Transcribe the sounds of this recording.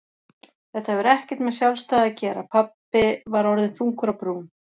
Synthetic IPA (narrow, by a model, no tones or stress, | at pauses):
θɛht̪ahɛvʏɾɛhcɪ̥t̪mɛðsjalst̪aːðacɛːɾapʰapːɪvaɾɔɾðɪnθuŋkʏɾapɾuːm